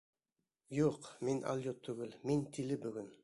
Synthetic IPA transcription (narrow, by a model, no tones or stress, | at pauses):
juqminʔa̰lʲˠjot̪ʰːɵɡɘlmint̪ʰilɘbɵɡɵn